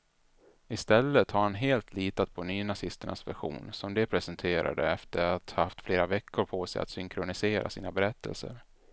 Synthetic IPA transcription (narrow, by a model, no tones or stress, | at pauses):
ɪst̪ɛlːət̪haɾhanɦeːlt̪ʰliːt̪at̪̚pʰɔnyːnasɪst̪əɳa̰svæɧṵːnsɔmd̪ɛpʰɾɛsɛnt̪ʰeːɾa̰d̪əɛft̪əɾat̪haaft̪fleːɾavɛkʰːʊɾpʰosɛja̰t̪sʏŋkʰɾʊnɪseːɾʔa̰sḭːnabɛɾɛt̪ʰːə̰lsə̰ɾ